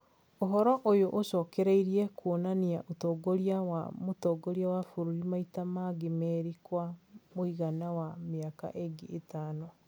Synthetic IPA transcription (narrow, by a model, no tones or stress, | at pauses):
oɦɔɾɔʔojoʔoɕɔːkɛɾeiɾiɛkwonaniaʔotɔːɡoɾiawa̰motɔːɡɔɾiawafoɾuɾimaitamaɡemɛɾikwamoiɣanawameaka̰ʔeɡiʔetaːnɔ